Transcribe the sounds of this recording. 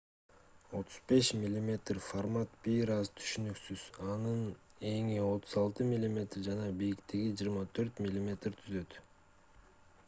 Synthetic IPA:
o̞t̪ʰu̥zbe̞ʃmʲɪlʲːimʲe̞t̪rfarmat̪biɾɑzt̪ʰy̥ʃynyksyz̥ɑnɯn | e̞ŋio̞t̪ʰuzɑlˠt̪ɯmʲilʲːimʲe̞t̪rd͡ʒɑnɑbijikt̪eɡid͡ʒɯːɾmɑt̪ʰø̞ɾt̪mʲɪlʲːimʲe̞t̪rt̪ʰyzø̞t̪

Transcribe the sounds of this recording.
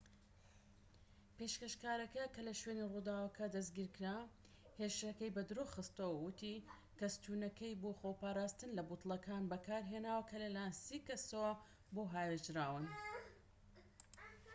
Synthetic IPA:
peʃkeʃkaːɾɐkɐkɐlɐʃweːnirud̪aːwɐkʰɐd̪ɐsɡiːɾkɾa | heʃɐkɐjbɐd̪ɾuxɨst̪owɐwʊt̪i | kɐst̪ʰuːnɐkɐjboxopaːɾaːst̪ɨnlɐbut̪lˠɐkʰaːnbɐkaːɾɦeːnaːwɐkʰɐlɐlajnsikɐsowɐ | boɦaːjɾɨd͡ʒɾaːwɨn

